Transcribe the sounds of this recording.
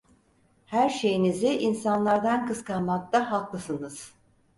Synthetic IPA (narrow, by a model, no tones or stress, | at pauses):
hæɾʃe̞jiniziʔinsanlˠaɾd̪ankɯskanmak̚t̪ʰaɦalˠklˠɯsɯnɯz̥